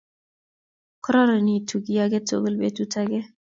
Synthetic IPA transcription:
kɾɔ˦ɾə˨ni˦tʰu˨ɡi˦a˦ɡe˦to̰˨ɡə˦lbḛ˨tu˦tʰa˦ɡe˦

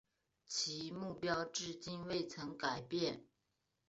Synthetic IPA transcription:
t͡ɕʰi˧˥mu˥˩pjɑ˥ʊʈ͡ʂɻ̩˥˧t͡ɕi˥nwe˥˩ɪt͡sʰɤ˧˥ŋka˨˩ɪpjɛ˥˩n

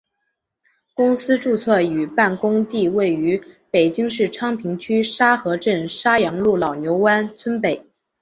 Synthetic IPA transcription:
kʊ˥ŋsɹ̩˥ʈ͡ʂu˥˧t͡sʰɤ˥˩y˨˩pa˥˩nkʊ˥ŋt̪i˥˧we˥˩ɪy˧˥pe˨˩ɪt͡ɕi˥ŋʂɻ̩˥˩ʈ͡ʂʰɑ˥ŋpʰi˧˥ŋt͡ɕʰy˥ʂa˥xɤ˧˥ʈ͡ʂə˥˩nʂa˥jɑ˧˥ŋlu˥˩lɑ˨˩ʊnjo˧˥ʊwa˥nt͡sʰwə˥npe˨˩˦ɪ

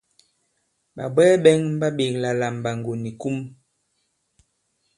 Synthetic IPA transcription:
ɓa̰˨bɛː˦ɓɛ˦ŋm̩˦ba˦ɓe˨ŋla˨la˨m˨ba˨ŋɡo˨ni˨ku˦m

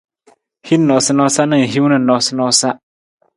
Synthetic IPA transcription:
hi˦n̩˦nɔ˨sɪ˦nɔ˦sa˦nɪ̃˦˨n˨ɦi˦wnɪ̃˨nɔ˨sɪ˦nɔ˦sa˦

